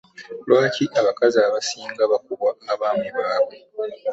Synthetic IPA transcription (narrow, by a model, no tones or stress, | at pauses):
lwaːcʰiʔaβakazaːβasiːŋɡaβakuβwaŋɡaβaːmweβaːβe